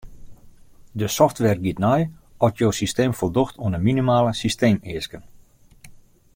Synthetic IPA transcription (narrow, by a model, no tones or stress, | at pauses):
dəsɔftʋɛrɡitnɔjɔtjoːsisteːmfolˠdoxtʰoənəminimaːləsisteːmɪəskən